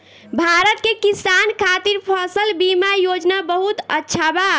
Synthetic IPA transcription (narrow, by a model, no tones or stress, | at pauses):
bʱaɾət̪kekisankʰat̪iɾpʰɔsəlbimajod͡ʒnabəɦut̪ətːʃʰaba